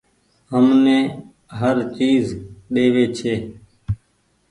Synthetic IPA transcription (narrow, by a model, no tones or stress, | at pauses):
ɦəmnẽː | ɦəɾt͡ʃiːzɗeːʋeːt͡ʃʰeː